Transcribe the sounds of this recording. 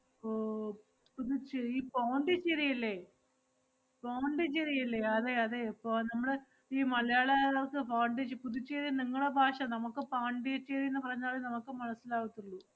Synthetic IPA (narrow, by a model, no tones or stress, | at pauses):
puðut͡ɕːeiːpaːɳɖit͡ɕːeɾijɐlːe | paːɳɖɨt͡ɕːeɾijɐlːeɐðeɐðepːonɐmːuɽe | iːmɐlɐjaːɭeokɨpaːɳɖit͡ɕːpuðut͡ɕːeɾijniŋːɐɭɽebʱaːʂɐnɐmukːɨpaːɳɖiet͡ɕːeɾijunːɨpɐrɐɲːaːɭenɐmukːɨmɐɳɐsːilaːɣut̪ːuɭːu